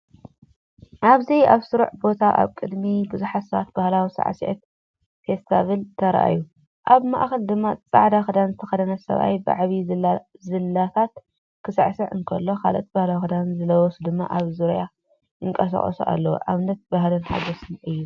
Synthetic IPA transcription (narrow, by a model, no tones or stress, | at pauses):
ʔaβzijaβsɨɾuʕbo̞t̪ʰaʔa̰βkʼɨd̪mibɨzuħatsɐβat̪̚bahlawisa̰ʕ̰siʔɛ̰t̪ | fest̪ʰaβelt̪ʰɐɾʔa̰ju | ʔaβma̰ʔxɐld̪ɨmːat͡sʼaʕd̪axɨd̪anzɨt̪ʰɐxɐd̪ɐnɐsɐ̰βʔa̰jbɨʕβizɨlːat̪ʰat̪ | kʰɨsɨ̰ʕsɨʕɨ̰nkʰɐlːo̞kʰa̰lʔt̪̚bahlawixɨd̪anzɨlɐwɔsud̪ɨmːa̰ʔaβzuɾja | ɨŋkʼɐsɐ̰χʼo̰suʔa̰lːɐwo̰ʔaβnɐt̪̚bahlɨnħa̰ɡosɨnʔɨjːu